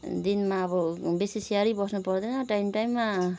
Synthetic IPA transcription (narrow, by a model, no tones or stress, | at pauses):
d̪inmaːbɔbesisiaɾibʌsnupʌɾd̪enʌʈajmʈajmːa